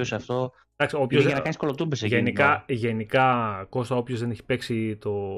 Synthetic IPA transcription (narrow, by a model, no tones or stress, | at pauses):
osɐft̪o | dɐksio̞pçozɐnɐɐniskolot̪ubeseʝenikɐʝe̞nikɐko̞st̪ɐopço̞zðe̞neçi̥pe̞ksit̪o̞